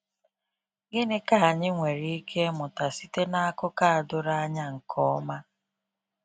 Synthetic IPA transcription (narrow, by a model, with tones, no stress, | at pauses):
ɡɪ˦nɪ˦ka˨a˨ɲɪ˦ŋʷe˨ɾi˦i˦kʰe˦mʊ˨ta˨si˦te˦na˦a˦kʊ˦ka˦a˨dʊ˦ɾa˦a˦ɲa˦ŋ̩˨kʰɔ˦ma˦